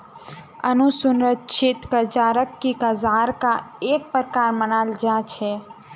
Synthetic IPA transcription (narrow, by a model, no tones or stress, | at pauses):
ənusunɾətːʃʰɪt̪kəɾt͡ʃaːɾəkːikəzaːɾkaeːk̚pɾkaːɾmənaːld͡ʒat͡ʃʰɛ